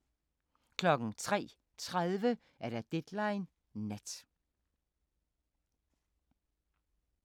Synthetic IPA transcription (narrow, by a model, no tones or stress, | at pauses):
kʰlɒ̽ɡ̥ŋ̩t͡sʰʁɛ̰ː | t͡sʰʁaðˠʋə | æɐɾ̥æd̥ed̥lɑ̈ɪn | næd̥